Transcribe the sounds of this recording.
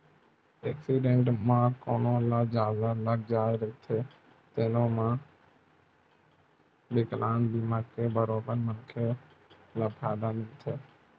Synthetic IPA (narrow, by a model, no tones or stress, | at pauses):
eːksiːɖẽːɳʈmãːkoːnõːlaːd͡ʒaːlalək̚d͡ʒaːeɾəit̪ʰeː | t̪eːnõːmãː | bɪklaːnb̪imaːɡkeːbʱəɾoːbənmənkʰeː | laːpʰaːd̪aːnĩːt̪ʰeː